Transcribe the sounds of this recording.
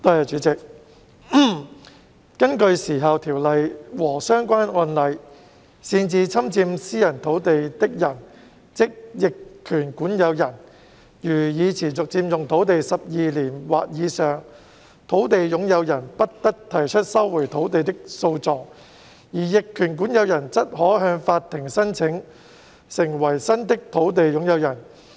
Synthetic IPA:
t̪ɔ˧jɐ˨˩t͡ʃyː˨˥t͡sɪ˨k̩̚˥˩ | kɐ˥nkɵ˧ɥsiː˨˩ɦɐ˨wt̪ʰiː˨˩wlɐ˨jwɔː˨˩sœː˥ŋkʷaː˥nɔː˧nlɐ˨˧j | siː˧nt͡siː˧t͡sʰɐ˥mt͡siː˧msiː˥jɐ˨˩nt̪ʰo˨˥wt̪e˨jt̪ɪ˥k̚jɐ˨˩n | t͡sɪ˥k̚jɪ˨kʰːyː˨˩nkuː˨˥njɐ˨˧wjɐ˨˩n | jyː˨˩jiː˨˧t͡sʰiː˨˩t͡sʊ˨k̚t͡siː˧mjʊ˨ŋt̪ʰo˨˥wt̪e˨jsɐ˨p̚jiː˨liː˨˩nwa̰ː˨˧k̚jiː˨˧sœː˨ŋ | t̪ʰo˨˥wt̪e˨jjʊ˨˥ŋjɐ˨˧wjɐ˨˩npɐ˥t̚t̪ɐ˥k̚t̪ʰɐ˨˩jt͡ʃʰɵ˥t̚sɐ˥wːu˨˩jt̪ʰo˨˥wt̪e˨jt̪ɪ˥k̚so˧wt͡sɔː˨˧k̚ | jiː˨˩jɪ˨kʰːyː˨˩nkuː˨˥njɐ˨˧wjɐ˨˩nt͡sɐ˥t̚hɔː˨˥ɦœː˧ŋfaː˧t̚t̪ʰːɪ˨˩ŋsɐ˥nt͡sʰɪ˨˥ŋ | sɪ˨˩ŋwɐ˨˩jsɐ˥nt̪ɪ˥k̚t̪ʰo˨˥wt̪̬e˨jjʊ˨˥ŋjɐ˨˧wjɐ˨˩n

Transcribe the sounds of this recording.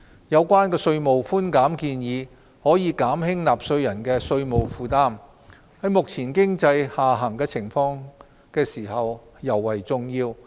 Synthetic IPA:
jɐ˨˧wkʷaː˥nkɛː˧sɵ˧ɥmo˨wfuː˥nkaː˨˥mkiː˧njiː˨˧ | hɔː˨˥jiː˨˧kaː˨˥mhɪ˥ŋlaː˨p̚sɵ˧ɥjɐ˨˩nkɛː˧sɵ˧ɥmo˨wfuː˧t̪aː˥m | hɐ˨˥jmʊ˨k̚t͡sʰiː˨˩nkɪ˥ŋt͡sɐ˧jhaː˨ɦɐ˨˩ŋkɛː˧t͡sʰɪ˨˩ŋfɔː˧ŋ | kɛː˧siː˨˩hɐ˨w | jɐ˨˩wːɐ˨˩jt͡sʊ˨˧ŋjiː˧w

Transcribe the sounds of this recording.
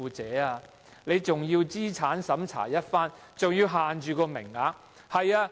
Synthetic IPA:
uː˧t͡sɛː˨˥˦aː˧ | le˨˧jt͡sʊ˨ŋjiː˧wt͡siː˥t͡sʰaː˨˥nsɐ˨˥mt͡sʰa̰ː˨˩jɐ˥t̚faː˥n | t͡sʊ˨ŋjiː˧wɦaː˨nt͡ʃyː˨˧kɔː˧mɪ̰˨˩ŋaː˨˧ | hɐ˨jaː˧

